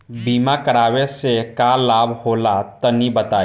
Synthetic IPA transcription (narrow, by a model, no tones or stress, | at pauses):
biːmakəɾaːwesekaːlaːbhoːlat̪ənibət̪aː